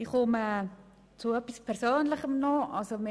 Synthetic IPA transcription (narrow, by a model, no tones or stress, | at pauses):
iχʊmə | t͡suœpispʰɛɾsøːnləχəmnɔʔɑlsome